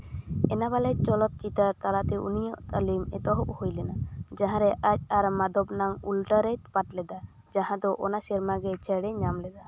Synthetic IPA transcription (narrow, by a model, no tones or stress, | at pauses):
ɛnabalɛt͡ʃɔlɔt̪̚t͡ʃit̪aɾt̪alat̪ɛʔṵnijɔʔt̪alimɛ̰t̪ɔɦɔʔhojlɛnad͡ʒaɦãɾɛʔac̚ˀaɾmad̪ɔbnaŋulʈaɾɛt̚paʈlɛd̪a | d͡ʒaɦãd̪ɔʔɔnasɛɾmaɡɛt͡ʃʰəɽɛɲamlɛd̪a